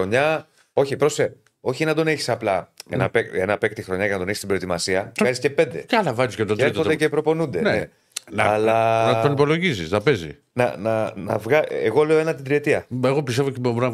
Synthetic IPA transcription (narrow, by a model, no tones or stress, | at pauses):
oɲɐ | o̞çipɾo̞se | o̞çinɐd̪o̞neçi̥sɐplɐenɐpekenɐpek̚t̪ixɾo̞ɲɐcɐnɐt̪oeçi̥st̪ibɾot̪imɐsiɐɣɐzisce̞pe̞nd̪e̞̰cɐlɐvɐzuscɐt̪oteod̪ecepɾo̞po̞nund̪enee | nɐɐlɐnɐonipo̞lo̞ʝisisnɐpezḭ | nɐ̰nɐnɐ̰vɣɐeɣo̞le̞oe̞nɐt̪id̪ɾie̞t̪iɐeɣo̞pis̬t̪evocebobɾɐ